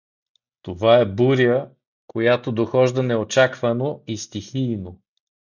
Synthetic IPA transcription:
t̪ovaɛbuɾijə | kʰojat̪od̪oxɔʒd̪ənɛot͡ʃakvənoist̪ixiːno

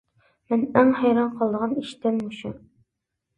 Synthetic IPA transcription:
mɛnæŋhɛjɾɑnqʰɑlˠd̪əʁɑniʃt̪ɪmːuʃu

